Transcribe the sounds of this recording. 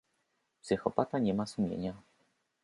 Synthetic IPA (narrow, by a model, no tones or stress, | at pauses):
psɘxɔpat̪aɲɛmasumʲjḛɲa